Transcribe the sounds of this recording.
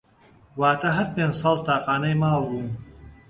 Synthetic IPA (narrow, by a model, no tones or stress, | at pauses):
waːt̪ʰɐɦɐɾpeːnd͡ʒsɑːlt̪ʰaːqaːnɐjmaːlˠbuːn